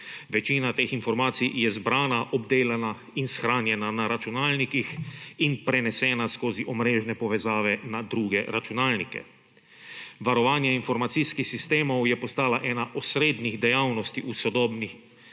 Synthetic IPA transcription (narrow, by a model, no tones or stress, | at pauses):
ʋɛt͡ʃiːnat̪eːxinfɔɾmaːt̪sijɛzbɾaːnaʔɔbd̪eːlana | insxɾaːnjɛnanaɾat͡ʃunaːlnikixinpɾɛnɛsɛːnaskoːziʔɔmɾeːʒnɛpɔʋɛzaːʋɛnad̪ɾuːɡɛɾat͡ʃunaːlnikɛ̰ | ʋaɾɔʋaːnjɛinfɔɾmat̪siskixsist̪eːmɔwjɛpɔst̪aːlaʔɛːnaʔɔsɾeːd̪niɣd̪ɛjawnɔst̪iʔusɔd̪ɔːbnix